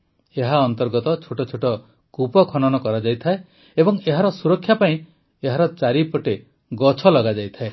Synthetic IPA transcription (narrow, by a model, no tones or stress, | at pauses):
eɦaɔnt̪ɔɾɡɔt̪ɔt͡ʃʰuʈɔt͡ʃʰuʈɔ | kupɔkʰɔnɔnɔkɔɾad͡ʒajt̪ʰae | ebɔŋeɦaɾɔsuɾɔkʰːjapaĩ | eɦaɾɔt͡ʃaɾipɔʈe | ɡɔt͡ʃʰɔlɔɡad͡ʒajt̪ʰae